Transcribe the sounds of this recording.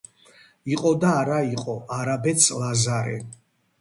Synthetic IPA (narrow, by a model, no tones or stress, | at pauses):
iqʼɔd̪aːɾaiqʼɔʔaɾabɛt̪sʰlazaɾɛ̰